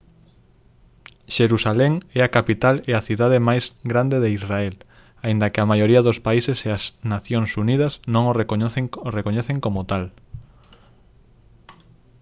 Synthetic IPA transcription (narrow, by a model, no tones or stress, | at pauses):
ʃeɾusalɛŋɛakapit̪aleaθiðaðemajzɡɾand̪eðeisraɛl | aind̪ɐkɪamajoɾiɐðospaiseseasnaθjoŋsuniðɐsnõŋoreeŋorekoɲɛθeŋkomot̪al